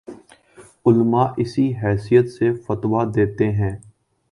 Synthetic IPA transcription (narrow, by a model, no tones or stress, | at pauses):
ʊlmaːʔɪsiɦɛːsijət̪sefət̪ʋad̪eːt̪eɦɛ̃ː